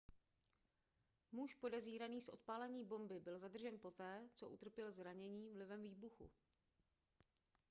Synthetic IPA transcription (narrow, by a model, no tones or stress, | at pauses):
muʃpo̞dɛziːɾaniːsʔo̞̰t̪̚paːlɛɲiːbo̞mbɪbɪlzad̪r̩ʒɛnpo̞t̪ɛːt͡so̞ʔut̪r̩pjɛlzɾaɲɛɲiːvlɪvɛmviːbuxṵ